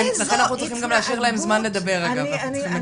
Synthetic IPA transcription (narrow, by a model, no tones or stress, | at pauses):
mlaχenanaχnut͡sliχimɡamleaʃiʁlahe̞mzmanle̞d̪abe̞ʁaɡav | ime